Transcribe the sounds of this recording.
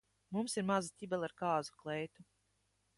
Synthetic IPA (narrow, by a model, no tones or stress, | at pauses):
mumsiɾmazit̪ʲibɛlʲˠaɾkaːzu̥klˠɛjt̪u